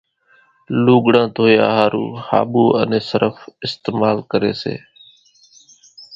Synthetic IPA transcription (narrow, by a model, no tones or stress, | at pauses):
luːɠɽãːt̪oːjaːɦaːɾṵːha̰ːɓuːʔənẽːsəɾəfɪst̪eːmaːlkəɾeːsḛː